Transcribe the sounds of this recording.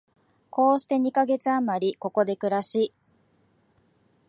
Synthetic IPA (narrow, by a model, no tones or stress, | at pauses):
kʰo̞ːɕi̥t̪e̞ɲ̟ikaɡe̞t͡sɨamaɾʲiko̞ko̞d̪e̞kɯ̟ɾaɕiː